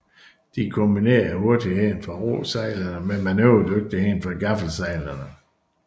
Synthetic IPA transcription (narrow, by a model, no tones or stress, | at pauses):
d̥ikʰomb̥ine̝̰ːɐho̝ɐd̥iheːnfɒʁo̰sæɪlɐnəmenmænøʊ̰d̥øɡ̥̚d̥əheːnfɑɡ̥afl̩sæɪlɐnə